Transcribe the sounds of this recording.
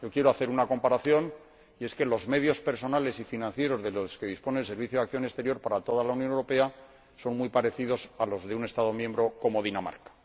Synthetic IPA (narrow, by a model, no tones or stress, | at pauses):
jo̞kje̞ɾo̞aθe̞ɾunako̞mpaɾaθjo̞n | ie̞ske̞lo̞zme̞ðjo̞spe̞ɾso̞nale̞sifinãnθje̞ɾo̞zðeloske̞ðisponelse̞ɾβ̞iθjo̞akθjo̞ne̞st̪e̞ɾjo̞ɾpaɾat̪o̞ðalaunjonewɾo̞pe̞a | so̞nmwujpaɾe̞θiðo̞salo̞zðeune̞st̪aðo̞mje̞mbɾo̞ko̞mo̞ðinama̰ɾkḁ